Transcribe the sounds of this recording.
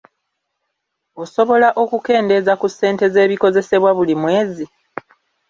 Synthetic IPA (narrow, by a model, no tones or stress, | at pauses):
o̞so̞βo̞laʔo̞kuke̞ːnde̞zakusːe̞ːnte̞ze̞ːβiko̞ze̞se̞βwaβulimwe̞ːzi